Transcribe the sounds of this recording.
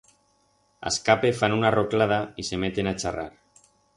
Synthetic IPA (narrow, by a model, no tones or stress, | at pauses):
a̰skapefanunaroklað̞aisemet̪enat͡ʃara̰ɾ